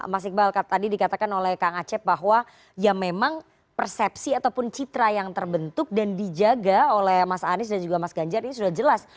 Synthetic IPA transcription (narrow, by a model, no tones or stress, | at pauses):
masɪk̚baalkat̪adidikat̪akanolɛhkaŋat͡ʃɛp̚baɦwa | jamemaŋ | pərsɛpsiat̪awpʊnt͡ʃit̪ɾajaŋt̪ərbənt̪ʊk̚dandid͡ʒaɡaolɛhmasaanɪsdand͡ʒuɡamasɡaɲd͡ʒaɾinis̬udahd͡ʒəlas